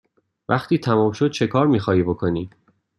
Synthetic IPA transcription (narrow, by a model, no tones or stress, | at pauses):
væχt̪ʰiːt̪ʰæmɔːmʃo̞d̪̥̚t͡ʃʰe̞kʰɒːɾmiːxɒːhiːbo̞kʰo̞niː